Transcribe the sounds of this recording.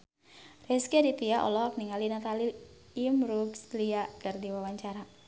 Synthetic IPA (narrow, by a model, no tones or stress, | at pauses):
rɛskɛdip̪iaʔɔ̰lɔak̚niŋalinat̪aliː | mɾuksliaʔd̥ardiwawaɲt͡ʃaɾa